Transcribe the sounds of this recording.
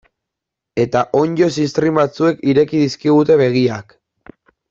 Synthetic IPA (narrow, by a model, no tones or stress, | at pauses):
e̞t̪aʔo̞ɲd͡ʒo̞sist̪ɾimbat͡sue̞kiɾe̞kiðiskiɣ̞ut̪e̞βe̞ɣ̞iak